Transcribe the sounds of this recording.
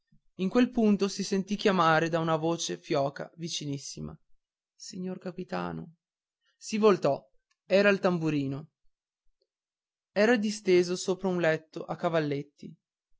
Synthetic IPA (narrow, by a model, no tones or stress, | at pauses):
iŋkwelpunt̪osisent̪ik̟jamaːɾed̪aunavoːt͡ʃefjɔːka̰vit͡ʃinisːima̰ | siɲːorkapit̪a̰ːno̰ | sivolt̪ɔ | ɛːɾailt̪ambuɾiːno | ɛːɾad̪ist̪eːzosoːpɾaunlɛt̪ːoʔakːavalːet̪ːi